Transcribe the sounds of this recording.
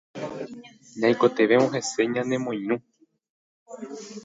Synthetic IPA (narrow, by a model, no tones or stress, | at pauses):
ɲãiko̞t̪e̞ʋe̞õɦe̞se̞ɲãnẽ̞mõj̃nũ